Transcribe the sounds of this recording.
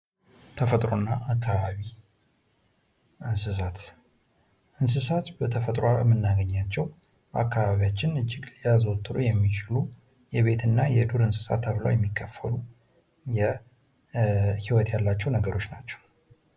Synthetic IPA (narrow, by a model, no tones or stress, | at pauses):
t̪ʰəfət̪ʼɾonːaːkʰːaβaβi | ʔɨnsɨs̬at̪ | ʔɨns̬ɨsat̪bət̪ʰəfət̪ʼɾoamːɨnːaɡəɲːat͡ʃːɛw | ʔa̰kːaβaβijat͡ʃːɪnɨd͡ʒːɪɡjazwɔt̪ʼːɨɾujɛmːit͡ʃʼɪlu | jɛβe̞t̪ʰɨnːajɛd̪uɾɨnsɨ̥sa̰t̪ʰːəβlə̰wjɛmːikʰːəfːəlu | jɛ | hiwɔt̪jalːat͡ʃːɛwnəɡəɾo̞t͡ʃːnat͡ʃːɛ̥w